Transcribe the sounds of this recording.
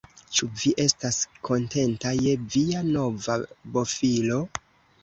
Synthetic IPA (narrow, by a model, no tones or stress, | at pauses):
t͡ʃuviʔe̞staskʰo̞nte̞ntajeviano̞vabo̞filo̞